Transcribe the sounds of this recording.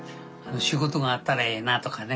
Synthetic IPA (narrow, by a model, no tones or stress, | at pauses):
anoɕiɡot̪̬oŋaːt̪ːaɾaenat̪okʰane